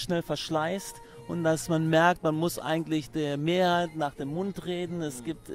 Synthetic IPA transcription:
ʃnɛlfɛɐʃlaɪst | ʔʊntd̥asmanmɛɐk̚tmanmʊsʔa̰ɪɡŋ̩tlɪçd̥eːɐmeːɐhaɪtnaːχd̥eːmːʊntʁeːdn̩ɛsɡ̥iːp̚t

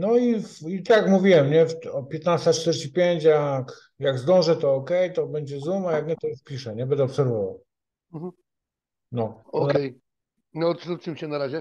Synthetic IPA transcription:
nɔifit̪akmuvʲiwɛmɲɛfɔpʲjɛt̪nast̪at͡ʂt̪ɛɾɕt͡ɕipʲjeɲt͡ɕjak | jaɡzd̪ɔ̃w̃ʐɛt̪ɔːkɛjt̪ɔbɛɲd͡ʑɛzumajak̚ɲɛt̪ɔjuʂpʲiʂɛɲɛbɛnd̪ɛɔpsɛɾvɔva̰w̩ | nɔɔɔkɛj | nɔut͡ʃɨmɕɛnaɾaʑɛ

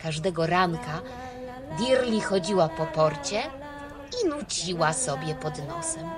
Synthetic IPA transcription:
kaʐd̪ɛɡɔɾaŋka | d̪ʲiɾlʲixɔd͡ʑiwapɔpɔɾt͡ɕɛ | inut͡ɕiwasɔbʲjɛpɔd̪nɔsɛm

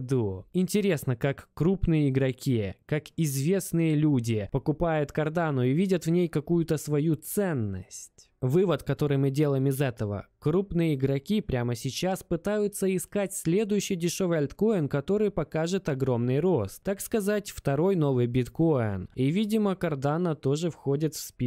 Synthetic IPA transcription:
d̪uɪnʲtʲɪɾʲe̞snəkakːɾupnɨjəɪɡɾɐkʲikakɪzvʲe̞snɨjəlʲudʲɪpəkʊpajʊt̪kɐrd̪anʊivʲidʲət̪vnʲejkɐkujʊt̪əsvɐjut̪sɛnːə̰sʲtʲ | vɨvət̪kɐt̪o̞ɾɨjmɨdʲe̞lˠəjɪmɪzɛt̪əvə̰kɾupnɨjəɪɡɾɐkʲipɾʲaməsʲɪt͡ɕaspɨt̪ajʊt̪səɪskatʲsʲlʲe̞d̪ʊjʉɕːɪjdʲɪʂo̞vɨjɐlʲt̪ko̞ɪnkɐt̪o̞ɾɨjpɐkaʐɨt̪ɐɡɾo̞mnɨjro̞st̪akskɐzatʲft̪ɐɾo̞jno̞vɨjbʲɪt̪ko̞ɪ̰nivʲidʲɪməkɐrd̪anət̪o̞ʐɨfxo̞dʲɪt̪fʲspʲi

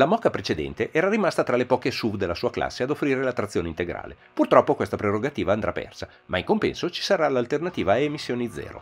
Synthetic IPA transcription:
lamɔkapɾet͡ʃed̪ɛ̰nt̪eʔɛːɾaɾimast̪at̪ɾalepɔːkesubd̪elːasuːakla̰sːead̪ofːɾiːɾelat̪ːɾat̪sːjoːneint̪eɡɾa̰ːle | purt̪ɾɔpːokwest̪apɾeroɡat̪iːvaːnd̪ɾa̰pːɛ̰rsa | maiŋkompɛ̰nsot͡ʃi̥saɾalalt̪ernat̪iːvaemisːjoːnid̪zɛ̰ːɾo̰

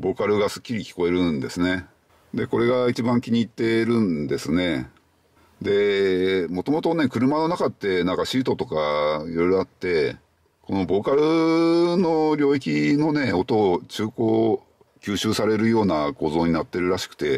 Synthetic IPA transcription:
bo̞ːkaɾɯ̟ɡasɨ̥kʲːiɾʲikʲi̥ko̞e̞ɾɯ̟nd̪e̞sɨne̞ | d̪e̞ko̞ɾe̞ɡait͡ɕibãŋkʲiɲ̟iːt̪ːe̞ɾɯ̟̃nd̪e̞sɨne̞ | d̪e̞mo̞t̪o̞mo̞t̪o̞ne̞kɯ̟ɾɯ̟mano̞nakat̪ːe̞nãŋkaɕiːt̪o̞t̪o̞kaiɾo̞jɾo̞at̪ːe̞ | ko̞no̞bo̞ːkaɾɯ̟no̞ɾʲo̞ːik̬ʲino̞ne̞o̞t̪o̞t͡ɕɨːko̞ː | kʲɨːɕɨːsaɾe̞ɾɯ̟jo̞ːnako̞ːzo̞ːɲ̟inat̪ːe̞ɾɯ̟ɾaɕi̥kɯ̟̥t̪e̞

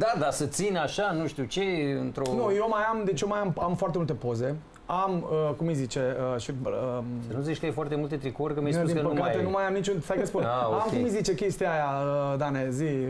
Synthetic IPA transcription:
d̪ad̪asət̪sinaʃanuʃt̪ut͡ʃeɨnt̪ɾonujomajamd̪et͡ʃjomajamamfoart̪emult̪e̞po̞ze̞ | aməkumijzit͡ʃe̞əʃiəsənuzit͡ʃʲkəjefoart̪emult̪et̪ɾikorʲkəmjed̪ipəkat̪enumajamnit͡ʃunsajkəspunamkumijzit͡ʃe̞kʲe̞st̪ijajaəd̪anezi

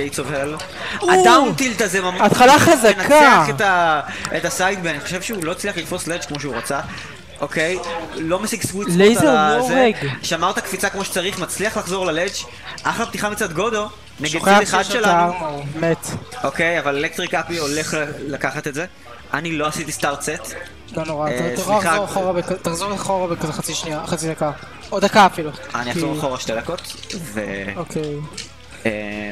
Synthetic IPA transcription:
eit͡sovel | at̪amut̪ilt̪azemamat̪χalaazanaaetaet̪asajt̪̚benaniχoʃe̞vʃeulo̞it͡sliaχlifo̞slet͡ʃkmo̞ʃeuʁat͡sa | ʔoke̞jlo̞mesiɡsvuileezeɡʃamaʁt̪akfit͡sakmo̞ʃe̥t͡saʁiχmat͡sliaχlaχzo̞ʁlalet͡ʃ | ʔaχlab̚t̪iχamit͡sad̪ɡo̞d̪o̞ | neɡedideχad̪ʃʃelamet̪ʔo̞kejavalelek̚t̪ʁikapio̞le̞χllakaχat̪etze̞ | anilo̞asit̪ist̪aʁtset̪ | lonoʁasasʁoaχaoʁabekt̪aχzoʁlaχoʁabekaχat͡siʃniaχat͡sid̪aka | od̪akaːfilua̰niazoʁaχo̞ʁaʃte̞d̪ako̞t̪veokʰej | e

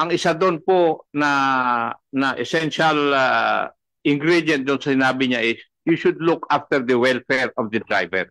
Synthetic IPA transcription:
ʔɐŋɪsad̪onponɐ | nɐʔɛsɛnʃɐl | ʔɪŋɡɾid̪ɐn̚d̪ʊnsɐsɪnaːbɪɲaʔɪs | juʃʊd̪lukaft̪ɛɹd̪ɐwɛlfɛɹɔfd̪ɐd̪ɾa̰jvɛ̰ɹ

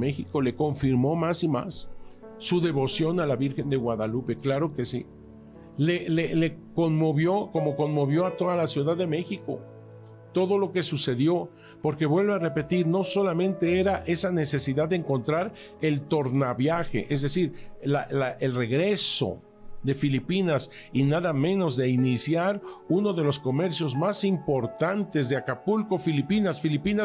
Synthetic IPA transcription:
me̞xiko̞le̞ko̞ɱfiɾmo̞masima̰sː | uðe̞βo̞sjo̞nalaβiɾxe̞nd̪e̞ɣwaðalupe̞klaɾo̞ke̞sḭ | lelelekonmoβjo̞ko̞mo̞ko̞nmo̞βjo̞at̪o̞ðalasjuðaðːe̞me̞xiko̞̰ | t̪o̞ðo̞lo̞ke̞suse̞ðjo̞ | po̞ɾke̞βwe̞lβeare̞pe̞t̪iɾno̞so̞lamẽ̞nt̪e̞e̞ɾaʔe̞sane̞se̞siðaððːeːŋko̞nt̪ɾaɾ | e̞lt̪o̞ɾnaβjaxe̞̰ʔe̞zðe̞siɾlalaʔelre̞ɣɾe̞so̞̰ | ðe̞filipinas | inaðamẽ̞no̞zðe̞inisjaɾuno̞ðe̞lo̞sko̞me̞ɾsjo̞zmasimpo̞ɾt̪ant̪e̞zðeakapulko̞filipinasfilipinas

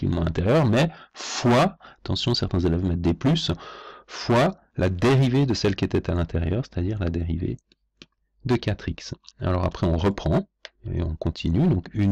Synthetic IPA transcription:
ḭlmɑ̃lɛ̃t̪eʁjœʁmɛfwaat̪ɑ̃sjɔ̃sɛʁt̪ɛ̃zelɛvmɛt̪̚d̪eplys | fwa | lʔad̪eʁived̪əsɛlkʲiet̪ɛt̪alɛ̃t̪eʁjœʁse̥t̪ad̪iʁlad̪eʁivḛ | d̪əkʲat̪χiksa̰lɔʁa̰pχɛɔ̃ʁəpχɑ̃ | ḛɔ̃kɔ̃t̪ʰinyd̪ɔ̃kyn

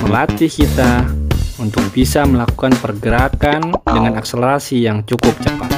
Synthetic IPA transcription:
məlat̪ikit̪a | unt̪ʊk̚b̥isaməlaku̥kanpərɡəɾakandəŋanakseləɾasijaŋt͡ʃukʊp̚t͡ʃəpat̪̚

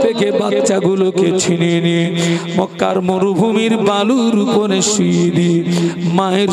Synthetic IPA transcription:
ekebatt͡ʃaɡuloket͡ɕʰininimɔkːa̰ɾmoɾubʱumiɾbaluɾuponeʃid̪imaeɾ

